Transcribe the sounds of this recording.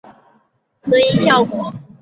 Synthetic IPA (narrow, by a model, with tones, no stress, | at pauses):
tʰɤ˧˥i˧˥ɕjɑ˥˩ʊkwɔ˨˩˦